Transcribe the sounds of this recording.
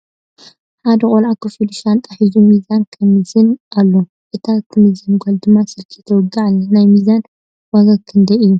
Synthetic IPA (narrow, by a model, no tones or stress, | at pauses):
ħad̪ɐkʼolʕakʰɨfɨluʃant̪ʼaħizumizankʰɐmɨzɨnʔalːo | ʔɨt̪ʰat̪ʰːmɨzɨnɡɐld̪ɨmːasɨlkʰit̪ʰɐwɔɡaʕalːɐnajmizan | waɡɐkʰɨnd̪ɐɨjːu